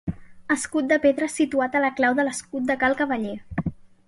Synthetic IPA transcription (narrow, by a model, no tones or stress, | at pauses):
əskut̪̚d̪əpeðɾəsit̪uat̪ələklawðələskut̪̚d̪əkalˠkəβəʎe